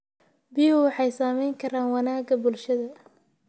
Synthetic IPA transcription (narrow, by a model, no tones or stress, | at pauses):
bɪjʊwɑħɑjsaːmɛjŋkʰɐɾaːnwɑnaːɡɐbʊlʃɐðɐ